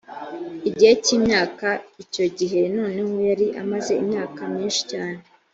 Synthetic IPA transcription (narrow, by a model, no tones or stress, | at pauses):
iɟiheciːmɲaːkaico̞ɟiɦe̞noːne̞ho̞jaɾiʔa̰maze̞imɲaːkamɲiːnʃi̥caːne